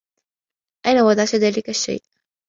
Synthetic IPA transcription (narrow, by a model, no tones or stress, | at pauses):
ʔajnawɑd̪ɑʕʃaðaːlɪkaʃːa̰jːʔ